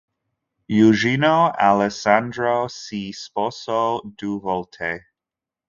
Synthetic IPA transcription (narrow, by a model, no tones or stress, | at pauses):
juʒinoʔalɛsandɾosisposod̥uvolt̪ʰe